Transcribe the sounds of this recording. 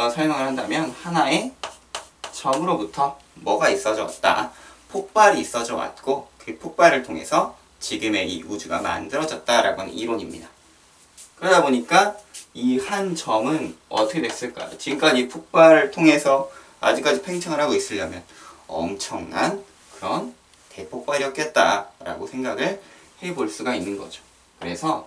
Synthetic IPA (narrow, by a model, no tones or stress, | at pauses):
sʰʌɭmaŋɯɭhandamjʌnhanae̞ | t͡ɕʌmɯɾobutʰʌmʌɡais͈ʌd͡ʑʌwa̰t̚t͈a̰pʰok̚p͈aɾiːs͈ʌd͡ʑʌwa̰t̚k͈okɯpʰok̚p͈aɾɯɭtʰoŋɦe̞̰sʰʌ | t͡ɕiɡɯme̞ḭud͡ʑuɡa̰ma̰ndɯɾʌd͡ʑʌt̚t͈aɾa̰ɡoan̰iɾwoɲimɲḭda | kɯɾʌdaboɲik͈aihant͡ɕʌmɯnʌ̰tʰʌkʰedwes͈ɯɭk͈a̰jot͡ɕiɡɯmk͈ad͡ʑipʰuk̚p͈aɾɯɭtʰoŋe̞sʰʌ | a̰d͡ʑik͈ad͡ʑipʰe̞ŋt͡ɕʰaŋɯɭɾɦaɡois͈ɯʎjʌmjʌnʌ̰mt͡ɕʰʌŋnan | kɯɾʌn | te̞pʰok̚p͈aɾijʌk͈̚et̚t͈a̰ɾa̰ɡosʰe̞ŋɡaɡɯɭhe̞boɭs͈uɡainːɯnɡʌ̰d͡ʑo | kɯɾe̞sʰʌ